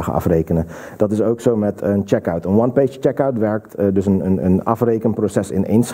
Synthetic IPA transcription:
χə̰ʔɑ̰frejkənə | d̥ɑtɪsowksomɛtənt͡ʃɛkəɥtənʋɑnpejʃət͡ʃɛkəwtʋɛɹk̚tdɵs̬ənə̰nə̰nɑ̰frejkənprosɛsɪ̰nḛjns

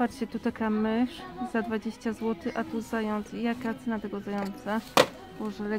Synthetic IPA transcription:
aɾt͡ɕɛt̪ut̪akamɘʂz̥ad̪vad͡ʑeɕt͡ɕazwɔt̪ɘʔat̪uzajɔnt̪sijakat̪sɛnat̪ɛɡɔzajɔnt̪sa | bɔʐɛlɛ

